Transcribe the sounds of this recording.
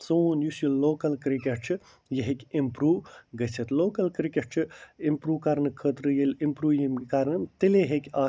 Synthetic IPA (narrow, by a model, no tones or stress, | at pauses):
soːnjusjulloːkɐlkɾikʲeʈ̚t͡ʃʰi | jɐɦekʲimpɾuːʋɡɐt͡sʰɐt̪loːkɐlkɾikʲeʈ̚t͡ʃʰiimpɾuːkaɾnɨkʰəːt̪ɾɨjelʲimpɾuːjimʲkaɾnɨt̪ileɦekʲaː